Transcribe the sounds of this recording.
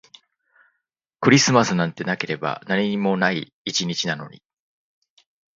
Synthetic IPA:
kɯ̟ɾʲisɨmasɨnãnt̪e̞nake̞ɾe̞ba̰naɲʲiɲ̟imo̞naiː | t͡ɕiɲ̟it͡ɕinano̞̰ɲ̟ḭ

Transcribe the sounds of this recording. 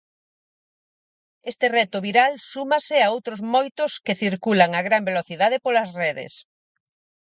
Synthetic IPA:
est̪erɛt̪ʊβiɾalsumasɪaowt̪ɾozmojt̪ʊskeθiɾkulaŋaɣɾambeloθiðað̞ɪpolɐsrɛðḛs

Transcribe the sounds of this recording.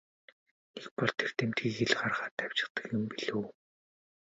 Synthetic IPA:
nek̚pɔɮt̪ʰer̥t̪ʰemt̪ɡiːkeɮɢarʁaːt̪æw̥ʲt͡ɕɪ̥̆χt̪ə̆kjʊmpiɮuː

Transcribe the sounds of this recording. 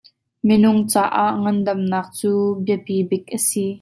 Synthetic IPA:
minʊŋt͡saːʔaʔŋɐndɐmnaːq̚t͡suːbiəpibɪk̚ʔəsi

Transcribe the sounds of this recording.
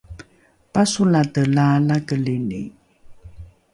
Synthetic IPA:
pasulatəlalakəlinḭ

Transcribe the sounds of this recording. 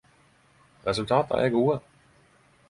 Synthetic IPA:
ʁɛsʉltʰɑ̰ːd̥̪ɐ̰ʔæ̰ɡoːə

